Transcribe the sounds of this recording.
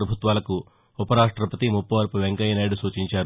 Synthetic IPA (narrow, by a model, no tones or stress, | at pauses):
ɾɐbʱut̪ʋaːlɐku | upɐɾaːʂʈɾɐpɐt̪imupːɐʋɐɾpuʋeŋkɐjnɐjɽusuːt͡ʃiɲt͡ʃaːɾu